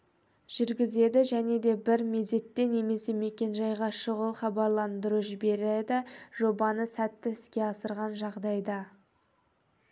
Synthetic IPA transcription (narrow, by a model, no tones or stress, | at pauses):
ʒ̥ʏɾɡʲɪze̞d̪ɪʒæne̞d̪e̞bɪɾme̞d̪e̞t̪ːe̞ne̞me̞se̞me̞kʲe̞nʒɑjʁɑʃəʁəlˠχɑbɑɾlˠɑnd̪əɾuʒɪbe̞ɾed̪ɪʒ̥o̞bɑnəsæt̪ːɪɪskʲe̞ɑsəɾʁɑnʒɑʁd̪ɑjd̪ɑ